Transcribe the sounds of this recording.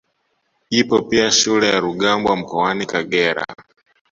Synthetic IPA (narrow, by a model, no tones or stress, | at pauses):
ipɔpiaʃulɛjaɾuɠambwam̩kɔwanikaɠɛɾa̰